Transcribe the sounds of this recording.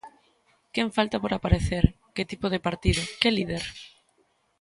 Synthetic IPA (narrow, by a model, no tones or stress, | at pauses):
keɱfalt̪apoɾapaɾeθeɾ | kɪt̪ipoð̞ɪpaɾt̪ið̞ʊkelið̞eɾ